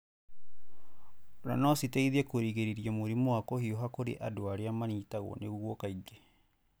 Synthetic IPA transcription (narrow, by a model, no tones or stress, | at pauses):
ɾa̰nɔsitɛiðɛkoɾiɣeɾeɾiamoɾimoakɔhiɔɦakoɾḛʔadoaɾeamanitaɣɔ̰neɣwɔkaiɡe